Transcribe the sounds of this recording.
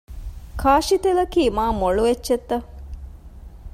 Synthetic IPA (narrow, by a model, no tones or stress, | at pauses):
kʰaːʃit̪elɐkiːmaːmoɭuʋet͡ʃːʃet̪ːɐ